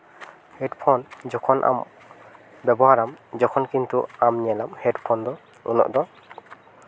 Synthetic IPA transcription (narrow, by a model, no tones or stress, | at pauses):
hɛtpʰɔnd͡ʒɔkʰɔnʔa̰m | bɛbɔhaɾamd͡ʒɔkʰɔnkint̪uamɲɛlamhɛtpʰɔnd̪ɔ | ṵnɔ̰ʔd̪ɔ